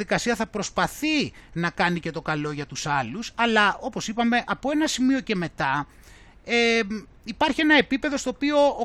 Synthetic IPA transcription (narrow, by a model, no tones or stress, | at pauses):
ðikɐsiɐθɐpɾo̞spɐθinɐkɐnice̞t̪o̞kɐlo̞ʝɐt̪usɐlusɐlɐo̞po̞sipɐme̞ʔɐpo̞e̞nɐsimio̞ce̞me̞t̪ɐ | e | ipɐɾçie̞nɐe̞pipe̞ðo̞st̪o̞ːpio̞ː